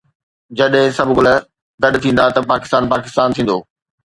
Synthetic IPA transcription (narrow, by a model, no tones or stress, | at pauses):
d͡ʑɐɗɦɪ̃sɐbʱʊɡʊlə | ɡɐɗt̪ʰĩːn̆d̪at̪ɐpaːkɪ̥st̪aːnpaːkɪst̪aːnt̪ʰĩːn̆d̪oː